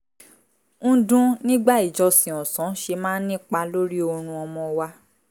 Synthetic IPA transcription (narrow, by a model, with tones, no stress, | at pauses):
ñ̩˦˧dũ˦nĩ˦ɡ͡ba˦˨i˨d͡ʒɔ˧sĩ˨ɔ̃˨sɔ̃˨˦ʃe˧mãː˦n̩˦nĩ˦k͡pa˧lo˦ɾi˦o˧ɾ̃ũ˧ɔ˧mɔ̃˧wa˧